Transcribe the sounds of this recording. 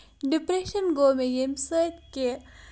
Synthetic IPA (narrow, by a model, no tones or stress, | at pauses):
ɖipɾeʃənɡomẽjemsət̪ke